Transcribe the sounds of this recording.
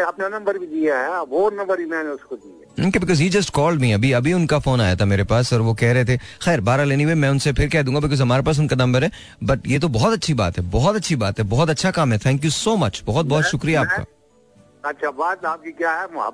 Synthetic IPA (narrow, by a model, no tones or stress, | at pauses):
apnenɐ̃mbəɾbʱid̪iaɦɛʋonɐ̃mbəɾbʱimɛ̃ːneʊskod̪iɛoːkebɪkɔːzɦiːd͡ʒɐsʈkɔːlɖmiɐbʱiɐbʱiʊnkafoːnaːja̰t̪ʰameːɾepaːsɔːɾʋokɛɦɾɐɦet̪ʰexɛːɾbaːɾaleːniʋeːmɛ̃ːʊnsepʰɪɾkɛɦd̪ũːŋɡabɪk̬ɔːzɦɐmaːɾepaːs̬ʊnkanɐ̃mbəɾɦɛː | bɐʈjeːt̪obɔɦɔt̪ɐtːʃʰiba̰ːt̪ɦɛbɔɦɔt̪ɐtːʃʰibaːt̪ɦɛbɔɦɔt̪ɐtːʃʰakaːmɦɛt̪ʰɛ̃ːŋk̬jusoːmɐt͡ʃbɔɦɔt̪̚bɔɦɔt̪ʃʊkɾiaaːpka̰ː | ɐtːʃʰabaːt̪aːp̚kikjaːɦɛ̰